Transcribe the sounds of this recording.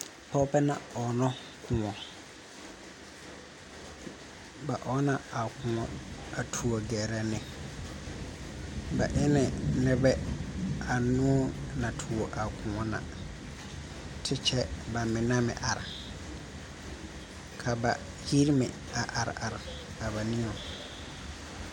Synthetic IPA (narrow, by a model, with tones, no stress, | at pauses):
pʰɔ˦bɛ˦nã̰˨ɔ˨nɔ̃˦ | kʰʊ̃˨ɔ̃˨ | ba˨ʔɔ˦nã˨a˨kʰʊ̃˨ɔ̃˨a˨tʰu˨ɔ˨ɡɛ˨ɾɛ˨nɪ̃˨ | ba̰˨ʔɪ˦nɪ̃˨nɪ̃˦bɛ˦ | a˨nʊ̃˦ɔ˦nã˨tʰu˨o˨ʔa˨kʰʊ̃˨ŋɔ˦nã̰˨ | tʰɪ˦t͡ʃʰɛ˦ba˨mɪ̃˨nã˦mɪ̰̃˨ʔa˨ɾɪ˨ | kʰa˨ba˨ | ji˦ɾmɪ̃˨ | a˨ʔa˨ɾɪ̰˨ʔa˨ɾɪ˨ | a˨ba˨nĩ˦ɔ˨